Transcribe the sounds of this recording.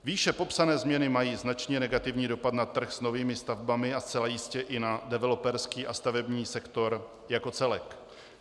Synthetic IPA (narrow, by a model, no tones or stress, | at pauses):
viːʃɛpo̞psanɛːzmɲɛnɪmajiːznat͡ʃɲɛnɛɡat̪ɪvɲiːdo̞pat̪nat̪r̩xsnoviːmɪst̪avbamɪast͡sɛlajɪscɛʔɪnadɛvɛlo̞pɛɾskiːʔast̪avɛbɲiːsɛkt̪o̞ɾ | jako̞t͡sɛlɛk